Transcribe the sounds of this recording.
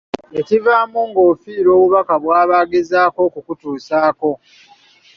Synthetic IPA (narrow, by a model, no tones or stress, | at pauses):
ecivaːmuŋɡo̞ːfiːɾo̞ːβuβakaβwaːβaːɡezaːko̞kukutuːsaːko̞